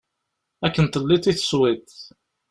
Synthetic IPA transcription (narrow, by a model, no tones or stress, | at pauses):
ækːənt̪əlːit̪ːiθə̥swit̪